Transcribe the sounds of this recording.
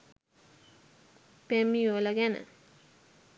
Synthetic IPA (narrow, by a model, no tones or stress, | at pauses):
pemijolaɡɛna̰